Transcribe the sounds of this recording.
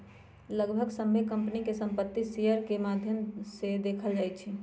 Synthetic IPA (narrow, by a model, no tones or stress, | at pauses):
ləɡbʱəɡsəmbʱekəmpnikesəmpət̪ːisijəɾkemad̪ʱjəmsed̪ekʰəld͡ʒajt͡ʃʰi